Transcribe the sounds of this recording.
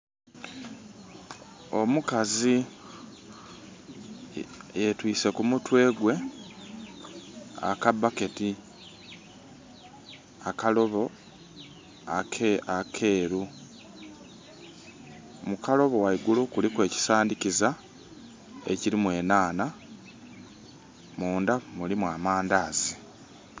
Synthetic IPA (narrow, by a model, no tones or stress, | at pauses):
o̞mukazi | jetwiːse̞kumutwe̞ːɡwe̞ | a̰kabake̞ti | akalo̞βo̞ | akakʰe̞ːɾu | mukalo̞βo̞waiɡulokulikwe̞ːci̥saːndiciza | ḛciɾimwe̞ːnaːna | muːndamulimwaːmaːndaːzi